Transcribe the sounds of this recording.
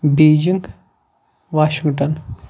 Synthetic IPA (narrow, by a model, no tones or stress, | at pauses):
beːd͡ʒiŋɡ | ʋaːʃiŋɡʈɐn